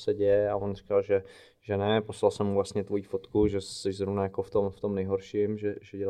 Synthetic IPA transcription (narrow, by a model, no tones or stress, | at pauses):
sɛɟɛjɛavonr̝i̥kalʒɛ | ʒɛnɛpo̞slalsɛmːuvlast̪ɲɛt̪vo̞jiːfot̪kuʒɛsɛʒzɾovnajakoft̪o̞mft̪o̞mnɛjɦoɾʃɪmʒɛʒɛɟɛla